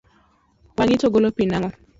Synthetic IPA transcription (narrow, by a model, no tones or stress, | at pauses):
waŋɪtoɡolopinaŋɔ